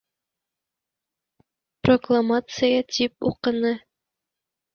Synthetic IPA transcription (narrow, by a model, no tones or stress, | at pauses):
proklˠamat̪sɨjət̪ʲip̚ṵqɤ̆nɤ